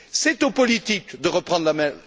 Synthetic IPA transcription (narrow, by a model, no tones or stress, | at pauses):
sɛt̪opɔlit̪ikd̪əʁəpχɑ̃d̪ʁlamɛ̃